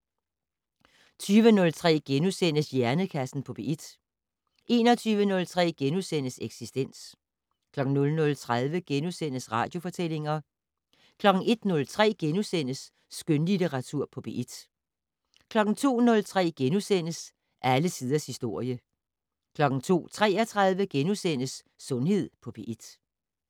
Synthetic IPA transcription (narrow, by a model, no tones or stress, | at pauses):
t͡sʰyːʋənɔ̽lt͡sʰʁɛ̰ːɡ̥enusen̰əsjæɐnəkʰæsn̩pʰɒ̽b̥e̝ʔid̥ | ʔe̝ːnɒt͡sʰyːʋənɔ̽lt͡sʰʁɛ̰ːɡ̥enusen̰əseɡ̥sisd̥en̰s | kʰlɒ̽ɡ̥ŋ̩nɔ̽lnɔ̽lt͡sʰʁaðˠʋəɡ̥enusen̰əsʁɑ̰̈ːd̥jo̝fɒ̽t͡sʰel̰e̝ŋɐ | kʰlɒ̽ɡ̥n̩e̝d̥nɔ̽lt͡sʰʁɛ̰ːɡ̥enusen̰əsː | ɡ̥ønlid̥eʁɑ̈t͡sʰuɐ̰pʰɒ̽b̥eʔid̥ | kʰlɒ̽ɡ̥n̩t͡sʰo̝̰ːnɔ̽lt͡sʰʁɛ̰ːɡ̥enusen̰əs | ʔæləsiːðˠɐshisd̥o̝ɐ̰jə | kʰlɒ̽ɡ̥n̩t͡sʰo̝̰ːt͡sʰʁɛ̰ːɐt͡sʰʁað̞ˠʋəɡ̥enusen̰əsː | ɔ̽nhe̝ð̞̰ˠpʰɒ̽b̥eʔid̥